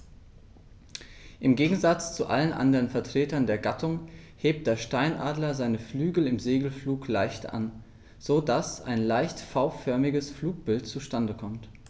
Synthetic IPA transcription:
ʔɪmɡeːɡŋ̩zat͡st͡suʔa̰lənʔa̰ndəʁənfɛɐtʁ̥eːtɐndeːɐɡatʰʊŋ | heːp̚t̚d̥eːɐʃtaɪnʔaːdlɐzaɪnəflyːɡl̩ɪmzeːɡl̩fluːklaɪçtʔa̰n | z̥oːdasa̰ɪnlaɪçtfaʊfœɐmɪɡəsfluːk̚b̥ɪltt͡suʃtandəkʰɔmt

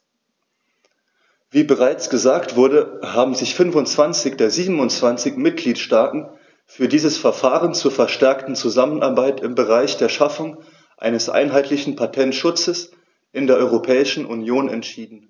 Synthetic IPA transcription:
v̥iːbəʁaɪt͡sɡ̥əzaːktv̥ʊɐdəhaːbm̩zɪçfʏnfʊnt͡sv̥ant͡sɪçd̥eːɐziːbm̩ʊnt͡sv̥ant͡sɪçmɪt̚ɡ̥liːtʃtaːtn̩ | fyːɐdiːzəsfɛɐfaːʁənt͡suːɐfɛɐʃtɛɐktn̩t͡suzamənʔaɐbaɪtɪmbəʁaɪçd̥eːɐʃafʊŋ | ʔa̰ɪnəsʔa̰ɪnɦaɪtlɪçn̩pʰatʰɛntʃʊt͡səs | ʔɪndeːɐʔɔʏʁopʰɛːɪʃn̩ʔunjoːnɛntʃiːdn̩

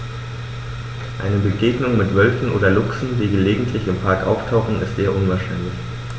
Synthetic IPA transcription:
ʔa̰ɪnəbəɡeːɡnʊŋmɪtv̥œlfn̩ʔo̰ːdɐlʊksn̩diːɡəleːɡŋ̩tʰlɪçɪmpʰaɐkʔa̰ʊftʰaʊxn̩ɪstz̥eːɐʔʊnvaːɐʃaɪnlɪç

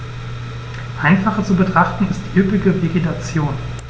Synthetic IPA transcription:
ʔaɪnfaχət͡subətʁ̥aχtn̩ɪst̚d̥iːʔʏpɪɡəveɡetʰat͡sjoːn

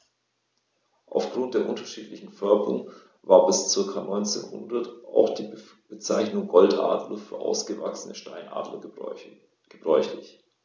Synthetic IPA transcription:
ʔa̰ʊfɡ̥ʁʊntd̥eːɐʔʊntɐʃiːtlɪçn̩fœɐkʊ̰ŋ | vaːɐbɪst͡sɪɐkʰanɔʏnt͡sḛːnhʊ̰ndɐtʔa̰ʊxd̥iː | b̥ət͡saɪçnʊŋɡɔltʔa̰ːdlɐfyːɐʔa̰ʊsɡ̥əva̰ksənəʃtaɪnʔa̰ːdlɐ̰ | ɡ̥əbʁɔʏçlɪç

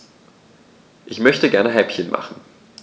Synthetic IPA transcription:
ʔɪçmœçtəɡɛɐnəɦaɪpçənmʔa̰χn̩

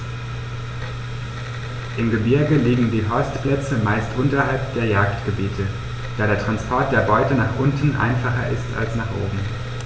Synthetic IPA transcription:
ʔɪmɡəbɪɐɡəliːɡŋ̩diːɦɔɐstpl̥ɛt͡səmaɪstʔʊntɐɦalpd̥eːɐjaːktɡ̥əbiːtʰə | d̥aːɾeːɐtʁ̥anspʰɔɐt̚d̥eːɐbɔʏtənaːχʔʊntn̩ʔa̰ɪnfaχɐʔɪsta̰lsnaːχʔo̰ːbm̩

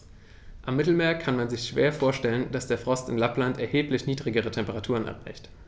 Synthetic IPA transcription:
ʔamːɪtl̩meːɐkʰanmanzɪçʃv̥ḛːɐfoːɐʃtɛlənd̥asd̥eːɐfʁ̥ɔstɪnlaplantɛɐheːplɪçniːdʁɪɡəʁ̞ətʰɛmpəʁatʰuːʁənʔɛ̰ɐʁa̰ɪçt

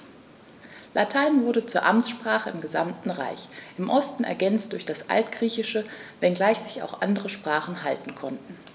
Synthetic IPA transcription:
lʔatʰaɪnvʊɐɾət͡suːɐʔamʃpʁ̥aːχəɪmɡəza̰mtn̩ʁa̰ɪçʔɪmʔɔstn̩ɛ̰ɐɡɛnt͡st̚d̥ʊɐçd̥asʔa̰ltɡ̥ʁiːçɪʃəvɛnɡlaɪçz̥ɪça̰ʊxʔa̰ndəʁəʃpʁ̥aːχn̩ɦaltn̩kʰɔntn̩

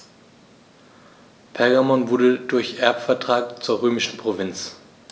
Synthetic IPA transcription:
pʰɛɐɡamɔnvʊɐdədʊɐçʔɛɐpfɛɐtʁ̥aːkt͡suːɐʁøːmɪʃn̩pʁ̥ovɪnt͡s

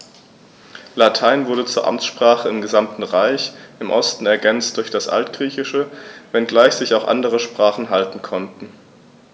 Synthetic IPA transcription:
latʰaɪnvʊɐɾət͡suːɐʔa̰mt͡sʃpʁ̥aːχəɪmɡəzamtn̩ʁaɪçʔɪmʔɔ̰stn̩ɛɐɡɛnt͡st̚d̥ʊɐçd̥asʔa̰ltɡ̥ʁiːçɪʃəvɛnɡlaɪçz̥ɪçaʊxʔa̰ndəʁ̞əʃpʁ̥aːχn̩ɦaltn̩kʰɔntn̩

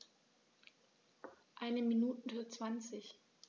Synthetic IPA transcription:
ʔaɪnəminuːtn̩ɐt͡sv̥ant͡sɪç

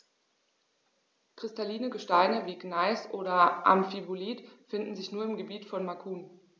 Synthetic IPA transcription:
kʁ̥ɪstaliːnəɡəʃtaɪnəviːɡnaɪsʔoːɾɐʔa̰mfivuliːtfɪndn̩zɪçnuːɐɪmɡəbiːtfɔnmakʰuːn

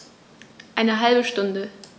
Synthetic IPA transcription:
ʔaɪnəɦalbəʃtʊndə

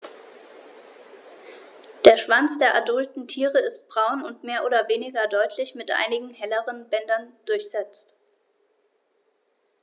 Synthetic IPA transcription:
d̥eːɐʃv̥ant͡sd̥eːɐʔadʊltn̩tʰiːʁəɪst̚b̥ʁaʊnʊntmeːɐʔoːdɐveːnɪɡɐdɔʏtʰlɪçmɪtʔa̰ɪnɪɡŋ̩hɛləʁənbɛndɐnd̥ʊɐçz̥ɛt͡st

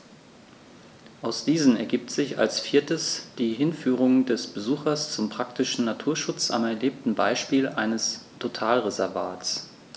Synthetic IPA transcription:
ʔaʊsd̥iːzn̩ɛɐɡiːp̚tz̥ɪça̰lsfiːɐtəsd̥iːɦɪnfyːʁ̞ʊŋdɛsb̥əzuːxɐst͡sʊmpʁ̥ak̚tɪʃn̩natʰuːɐʃʊt͡sa̰mɛɐleːp̚tn̩baɪʃpiːlʔaɪnəstʰotʰaːlʁezɛɐvaːtt͡s

